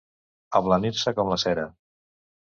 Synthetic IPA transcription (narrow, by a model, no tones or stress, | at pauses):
əβləniɾsəkɔmləsɛɾə